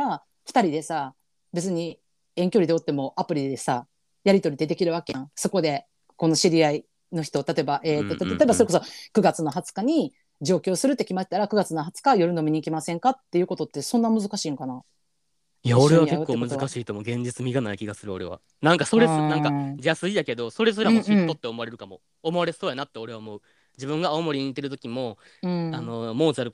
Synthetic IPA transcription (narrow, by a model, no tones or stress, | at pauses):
ɾa | ɸɯ̟̥t̪aɾʲid̪e̞sa | be̞t͡sɨɲ̟i | ẽ̞ŋkʲo̞ɾid̪eot̪ːe̞mo̞ʔapɯ̟ɾʲid̪e̞sa | jaɾʲit̪o̞ɾʲid̪e̞t̪e̞kʲiɾɯ̟βakejãso̞ko̞d̪e̞ | ko̞no̞ɕiɾʲiai | no̞çi̥t̪o̞t̪at̪o̞ebaʔeːt̪ːot̪t̪at̪oebaso̞ɾeko̞sokɯ̟ɡat͡sɨno̞ɦat͡sɨ̥kaɲ̟i | d͡ʑo̞ːkʲo̞ːsɨɾɯ̟t̪ːe̞kʲimaɕi̥t̪aɾakɯ̟ɡat͡sɨnoɦat͡sɨ̥kajo̞ɾɯ̟nomʲiɲ̟iːkʲimasẽ̞ŋkat̪ːe̞jiɯ̟ko̞t̪o̞t̪ːe̞sõ̞nːamɯ̟zɨkaɕiːŋkana | jaoɾe̞βakekːo̞ːmɯ̟zɨkaɕiːt̪omo̞ɡẽ̞ɲ̟d͡ʑit͡sɨmʲiɡanaikʲiɡasɨɾɯ̟o̞ɾe̞̰βa̰ | nãŋkaso̞ɾesnãŋkad͡ʑasɨijake̞d̪o̞so̞ɾe̞s̬oɾamɕĩt̪ot̪ːe̞omo̞aɾe̞ɾɯ̟kamo̞̰ː | mo̞aɾesoːjanat̪ːe̞o̞ɾe̞βaomo̞ɯ̟ | d͡ʑibɯ̟̃ŋɡaːomo̞ɾʲiɲ̟it̪ːe̞ɾɯ̟t̪o̞kʲimo̞ | ɯ̟̃ano̞moːzaɾɯ